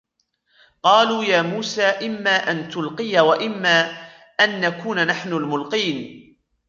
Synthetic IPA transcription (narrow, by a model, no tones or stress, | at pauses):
qɑːluːjaːmuːsaːʔɪmːaːʔant̪ʊlqɨjawaʔɪmːaː | ʔanːakuːnanaħnʊlmʊlqiːn